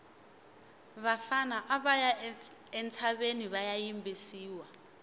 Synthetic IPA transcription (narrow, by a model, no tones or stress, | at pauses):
βafanaʔaɓaja | ɛnt͡sʰaɓeniβajajimbʱisiːwa